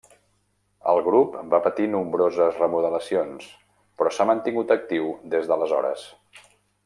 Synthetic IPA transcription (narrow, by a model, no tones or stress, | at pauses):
ə̰lˠɣɾupbapət̪inumbɾozəzrəmuðələsions | pɾɔsamənt̪iŋɡut̪ək̚t̪iwd̪ezðələzɔ̰ɾə̰s